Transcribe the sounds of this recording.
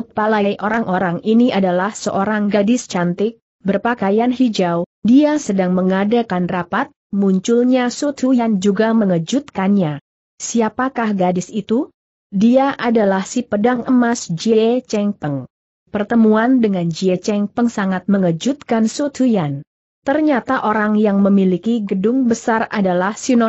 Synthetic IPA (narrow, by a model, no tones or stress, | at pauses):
t̪̚palajʔoɾaŋʔoɾaŋʔiniʔadalahsə̰ʔoɾaŋɡadɪst͡ʃant̪ɪk̚ | bərpakajanɦid͡ʒawdiasədaŋməŋadakanrapat̪̚muɲt͡ʃulɲasut̪ʰujand͡ʒuɡaməŋəd͡ʒut̪̚kanɲa | siapakahɡadɪsit̪u | diaʔadalahsipədaŋəmasd͡ʒiet͡ʃɛŋpəŋ | pərt̪əmuandəŋand͡ʒiet͡ʃɛŋpəŋsaŋat̪̚məŋəd͡ʒut̪̚kansot̪ʰujan | t̪ərɲat̪aʔoɾaŋjaŋməmilikiɡədʊŋbəsara̰dalahsinɔ